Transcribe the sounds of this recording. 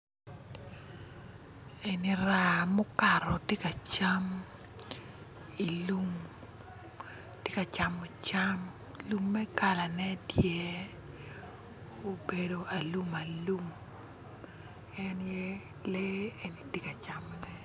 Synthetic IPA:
e˨ni˨ɾa˨mo˦ka˨ɾɔ˨tjɪ˦ka˨t͡ʃa˦m | i˨lu˦m | tjɪe˦ka˨t͡ʃa˨mo˨t͡ʃa˦m | lu˦mːɛ˦ka˨la˨nɛ˦djɛ˦ | o˨be˨do˨ʔa˨lu˦ma˨lu˦m | ɛ˦njɛ˦ | le˦e˨ni˨te˦ka˨t͡ʃa˨mɔ˨nɛ˦

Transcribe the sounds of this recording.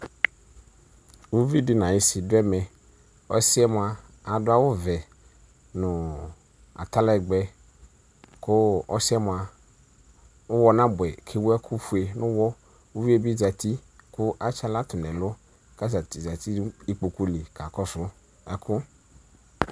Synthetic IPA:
wu˦vi˦dɪ˦nã˨jɪ˦sɪ˨dʊ˦ɛ˦mɛ˨ | ɔ̰˦sɪ˦ɛ˦m˨a˨ | a˨dʊ˦a˦wʊ˦vɛ˨ | nʊ˨ | a̰˨t̪a˦la˦ɛ˨ɡ͡bɛ˨ | kʰʊ˦ɔ˦si˦ɛ˦m˨a˨ | ʊ˦wɔ˦nã˦bʊ˨ɛ˨kʰɪ˦wʊ˦ɛ˦kʰʊ˦fu˨e˨nʊ̃˦wɔ˦ | u˦vi˦e˦bi˦˨za˨t̪i˦kʊ˦ʔa˦t͡ʃa˦la˦t̪ʊ˨nɛ̃˨lʊ˦ | ka˦za˨ti˨za˨t̪i˦i˦k͡po˨ku˦li˨ka˨kɔ˦sʊ˦ | ɛ˦kʰʊ˦

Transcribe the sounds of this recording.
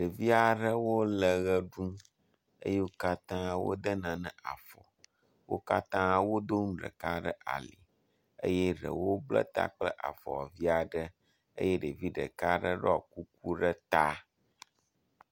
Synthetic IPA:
ɖə˨vi˦a˨ɖə˦wo˦lə˨ɣə˦ɖũ˦ | ə̰˦je˦wo˦ka˦t̪ã˦wo̰˦d̪ə˦nã˨nɛ̃˨a˨fɔ̰˨ | wo̰˦ka˦t̪ã˦wo˦d̪o˦ŋũ˦ɖə̰˨ka˦ɖə˦ʔa̰˨le˨ | ḛ˦jɛ˦ɖə̰˨wo˦blɛ̰˦t̪a̰˦k͡plə˦ʔa̰˨fɔ̰˨a̰˨vi˦a˨ɖə˦ | ə̰˦je˦ɖe˨vi˦ɖə̰˨ka˦ɖə˦ɖɔ˦a˨ku˦k̚u˦ɖə˦t̪a˦

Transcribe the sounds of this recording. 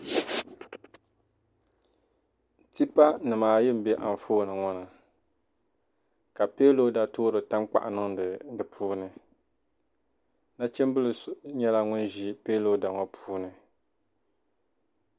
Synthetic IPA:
ti˦pa˦nɨ˨maː˨jɪ˦m̩˦bɛ˦ʔa̰˨ɱ˨foː˦˨nɨ˨ŋɔ˦nɨ˨ | ka˨peː˦lo˦da˨toː˦ɾɨ˨ta˦mk͡pa̰˨ʔa˨nɨ˦ŋɨ˨dɨ˨pʰuː˦nɨ˨ | na˦t͡ʃɛ˦m˦bɨ˦lɨ˨ɲɛ˦la˦ŋʊ˦nʒi˦peː˦lo˦da˨ŋɔ˦pʰuː˦nɨ˨

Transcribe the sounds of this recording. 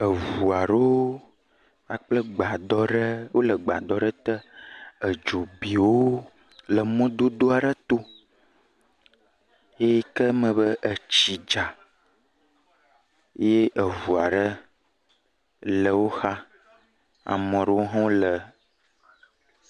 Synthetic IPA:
ə˨vu˨a˨ɖo˦ | a˨k͡plə˦ɡ͡ba˨d̪ɔ˦ɖə˦wo˦lə˨ɡ͡ba˨d̪ɔ˦ɖə˦t̪ə˦ə˨d͡ʒo˨bi˨wo˦ | lə˨mɔ̃˦d̪o˦d̪o˦a˨ɖə˦t̪o˦ | e˦kə˦mə̃˨bə˦ʔə˨t͡ɕi˨d͡ʒa˨˦ | je˦ʔə˨vu˨a˨ɖə˦ | lə˨wo˦xa˦ | a̰˨mɔ̃˨ɖə˦wo˦ɦɔ̃˦lə˨

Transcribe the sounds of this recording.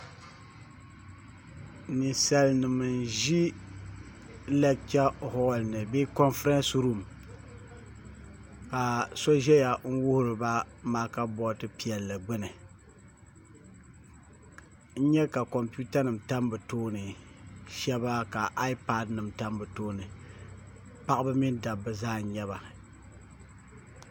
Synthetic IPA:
nɨ˨sa˨lnɨ˨mɨ˨n˨ʒi˦ | lɛ˦t͡ʃa˦hɔ˦˨lnɨ˨be˦kɔ˦nfɾɛ˦nsɾu˦˨m | ka˨sɔ˦ʒɛ˦ja˨n̩˦wʊ˦hʊ˦ɾɨ˨ba˦maː˨ka˦bɔ˦tɨ˦pi˨ɛ˨lːa˨ɡ͡bɨ˦nɨ˨ | n̩˦ɲɛ˦ka˨ko˨mpu˦ta˦nɨ˨mta˦mbɨ˨toː˦nɨ˨ʃɛ˦ba˦ka˨ʔa˦i˦pa˦dnɨ˨mta˦mbɨ˨toː˦nɨ˨ | pa˦ʔbɨ˦mi˦nda˨bɨ˨zaː˦n˦ɲɛ˦ba˨

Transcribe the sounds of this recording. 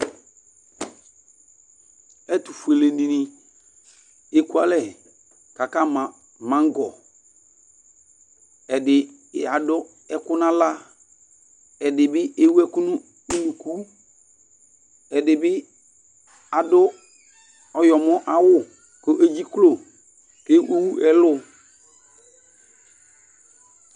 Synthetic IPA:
ɛ˦tu˨fu˨e˨le˨nĩ˨nĩ˨ | e˦ku˦a˦lɛ˦˨ | ka˨ka˦˨ | mã˨˦ŋ˦ɡɔ˨ | ɛ˨dɪ˨ | a˨dʊ˦ | ɛ˦kʊ˦nã˦la˦ | ɛ˨dɪ˨bɪ˦e˦wu˦ɛ˦ku˦nʊ˦ | u˦nu˨ku˦ | ɛ˨dɪ˨bɪ˦ | a˨dʊ˦ | ɔ˨jɔ˨mʊ˦ʔa˦wʊ˦˨ | ko˦ʔe˦d͡ʒi˦klo˦˨ | ke˦ʔu˦wu˦ɛ˦lʊ˦

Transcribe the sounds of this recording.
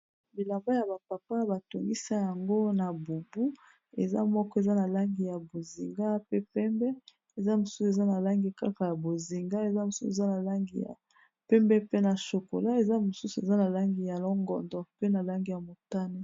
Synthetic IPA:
bi˨la˨mba˦ja˨ba˨pa˨pa˦ba˨to˨ŋɡi˦sa˦ja˨ŋɡo˦na˨bo˨bu˦ | e˨za̰˦mɔ˦kɔ˦e˨za˦na˨la˦ŋɡi˨ja˨bo˨zi˨ŋɡa˦pe˦pɛ˦mbɛ˦ | e˨za˦mo˨su̥˦se˨za˦na˨la˦ŋɡi˨ka˦ka˨ja˨bo˨zi˨ŋɡa˦e˨za˦mo˨su˦˨e˨za˦na˨la˦ŋɡi˨ja̰˨ | pɛ˦mbɛ˦pe˦na˨ʃo˨ko̰˨la˦e˨za˦mo˨su˦su˨e˨za˦na˨la˦ŋɡi˨ja˨lɔ˦ŋɡɔ̰˨ndɔ˨pe˦na˨la˦ŋɡi˨ja˨mo˨ta˦ne˦

